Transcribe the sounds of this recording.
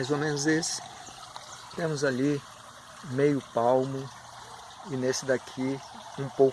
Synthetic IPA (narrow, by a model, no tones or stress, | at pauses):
ajzomẽnʊzesɪ̥ | t̪ẽmʊzali | mejʊpawmʊ | ɪnesɪd̪akʰi | ũpow